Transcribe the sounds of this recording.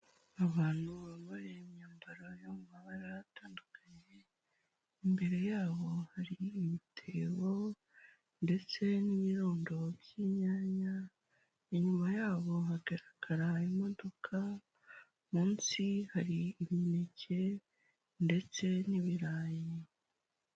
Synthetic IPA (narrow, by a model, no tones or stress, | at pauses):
aβaːn̥uβaβoɾemjaːmbaɾojomumaβaɾaɾataːndukʰaɲe̞ | imbe̞ɾe̞jaːβo̞haɾiːmitʰeːβo̞ | nde̞t͡se̞niβiɾoːndo̞bjiɲaːɲa | iɲumajaːβo̞ɦaɡeɾakʰaɾajemo̞do̞kʰa | muːnsihaɾiːmine̞cʰe̞ | nde̞t͡se̞niβiɾaːje